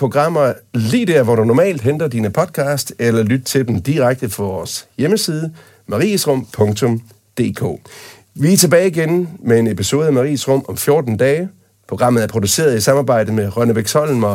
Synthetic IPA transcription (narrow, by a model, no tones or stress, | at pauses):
pʰo̝ɡ̥ʁɑ̈m̰ɐlḭːd̥eɐ̰ʋɒɾ̥unɒmɛ̰ːld̥ɦend̥ɐd̥iːnəpʰɒ̽d̥̚kʰɑ̈ːsd̥elɐlyd̥̚t͡sʰe̝ld̥n̩d̥iʁaɡ̥̚d̥əfʰɒʋɒːsjeməsiːð̞ˠə | mɑ̈ʁḭːəsʁɔ̽m̰pʰɔ̽ŋt͡sʰɔ̽m | d̥e̝̰ːkʰo̰ː | ʋit͡sʰe̝b̥ɛːɪiɡenmee̝nepʰiso̝ːð̞̩ˠæmɑ̈ʁḭːsʁɔ̽m̰ɒ̽mfjo̝ɐd̥n̩d̥ɛː | pʰo̝ɡ̥ʁɑ̈m̰ð̩ˠæɐpʰʁod̥use̝̰ːɐð̞ˠisɑ̈mɑːb̥ɑ̈ɪ̰dəmeʁɶnəʋeɡ̥sʰɒ̽l̰n̩mɐ